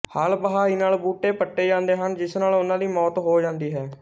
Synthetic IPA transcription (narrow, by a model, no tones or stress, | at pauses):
haːlbəɦaːiːnaːlbuːʈːeːpəʈːeːd͡ʒãːnd̪eːɦənd͡ʒɪsnaːlʊnãːd̪iːmɔːt̪ɦoːd͡ʒãːnd̪iːɦɛː